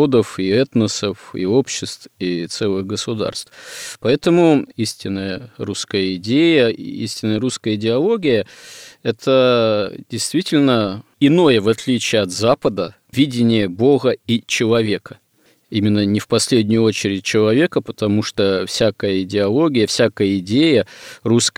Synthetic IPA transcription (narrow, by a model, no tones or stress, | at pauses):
od̪əfiɛt̪nəsəfḭo̞pɕːɪst̪vfit̪sɛlˠɨɣɡəsʊd̪a̰rst̪fpɐɛt̪əmʊisʲtʲɪnːəjəruskəjəɪdʲejəḭisʲtʲɪnːəjəɾuskəjəɪdʲɪɐlˠoɡʲɪjəɛt̪ʰədʲɪjst̪vʲitʲɪlʲnəɪno̞jəvɐt̪lʲit͡ɕɪjəɐt̪zapəd̪ə | vʲidʲɪnʲɪjəboɣəit͡ɕɪlˠɐvʲe̞kə | imʲɪnːənʲɪfpɐsʲlʲedʲnʲʊjʊot͡ɕɪɾʲɪt̚ʲt͡ɕɪlˠɐvʲe̞kəpət̪ɐmuʂt̪ofsʲakəjəɪdʲɪɐlˠo̞ɡʲɪjəfsʲakəjəɪdʲejərusk